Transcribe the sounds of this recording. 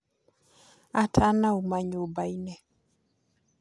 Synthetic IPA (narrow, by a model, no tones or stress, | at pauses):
atʰanaumaɲobainɛ